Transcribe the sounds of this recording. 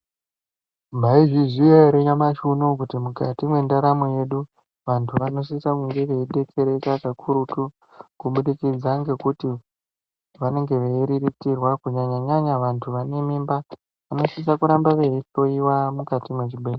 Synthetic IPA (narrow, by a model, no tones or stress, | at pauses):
maiʐiziaɾeɲamaʃunok̬utimukatimwe̞ndaɾamuje̞ɗu | ʋantʰuʋano̞s̬isakuŋɡeʋe̞iɗe̞ke̞ɾe̞kakakʰuɾutu | kuɓuɗikid͡zaŋɡe̞kuti | ʋane̞ŋɡe̞ʋeiɾiritirwakuɲaɲaɲaɲaʋantʰuʋane̞mimba | ʋano̞sis̬akuɾambaʋeito̞iwamukatimwet͡ʃibʱeːle